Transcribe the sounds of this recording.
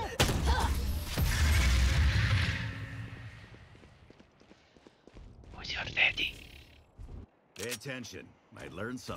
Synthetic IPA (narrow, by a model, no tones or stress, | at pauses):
wɔzjɔrːɛd̥̪i | pʰeɪɨtʰɛ̃nʃɨ̰̃n | mʔa̰ɪlɜ̃˞nsʌ̃